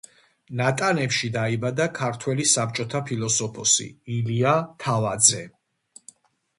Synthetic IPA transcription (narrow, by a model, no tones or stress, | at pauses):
nat̪ʼanɛpʃid̪aibad̪akʰaɾt̪ʰwɛlisap̚t͡ʃʼɔt̪ʰapʰilˠɔsɔpʰɔsḭiliat̪ʰavad̪zɛ